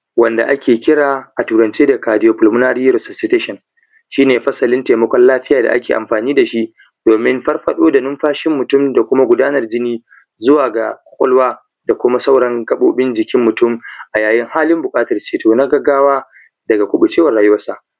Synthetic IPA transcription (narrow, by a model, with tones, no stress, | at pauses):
wɐ˨nda̰˨ʔa˦kʲeː˨kʲɪ˦ɽaː˨ʔa˨tuː˨ɾɐ˨nt͡ʃeː˦da˨kaː˨dɪ˦joː˨pʊ˨lmʊ˦naː˦ɾi˦ɾɔ˨sɔ˨sɪ˦teː˦ʃɔ˨n | ʃiː˦neː˨ɸɐ˦sɐ˨lɪ˦nteː˨mɐ˦kʷɔ˦nlaː˦ɸɪ˦jaː˨da̰˨ʔa̰˦kʲeː˨ʔa̰˨mɸaː˨niː˦da˨ʃi˦ʔ | d̥oː˨mɪ˦mɸɐ˦rɸɐ˨ɗoː˦da˨nʊ˦mɸaː˦ʃɪ˦mːʊ˨tʊ˦˨mda˨kʷʊ˦ma˦ɡʷʊ˨daː˦nɐ˨rd͡ʒɪ˦niː˦ | zʊ˦waː˨ɡa˨kʷkʷʼɔ˦lwaː˦ | da˨kʷʊ˦ma˦sa˦wɽɐ˦ŋkɐ˦ɓo̰ː˦bɪ˦nd͡ʒɪ˨kʲɪ˦mːʊ˨tʊ˦mʔa˨jaː˨jɪ˦ŋhaː˦lɪ˦mbʊ˨kʼaː˦tɐ˨rt͡ʃeː˨toː˨na˦ɡɐ˨ɡaː˦waː˦ | dɐ˨ɡa˨kʷʊ˦ɓʊ˨t͡ʃeː˦wɐ˨rɽaː˨jʊ˦wɐ˦rsa˦ʔ